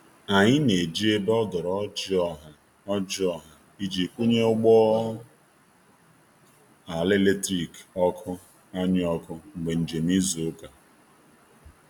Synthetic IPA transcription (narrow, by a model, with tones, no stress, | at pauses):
a˨ɲɪ˦ne˨d͡ʒi˦e˦be˦ɔ˦dɔ˨ɾɔ˦d͡ʒɔ˦ɦa˨ | ɔ˦d͡ʒɪ˦ɔ˦ɦa˨ | i˦d͡ʒi˨kʷu˦ɲe˦ʊ˦ɡ͡bɔ˦ | a˨le˦le˦tɾi˨kɔ˦kʰʊ˦ | a˦ɲɪ˦ɔ˦kʊ˦ŋ͡m̩˨ɡ͡be˨n̩˨d͡ʒe˨m˦i˦zo˨o˦ka˨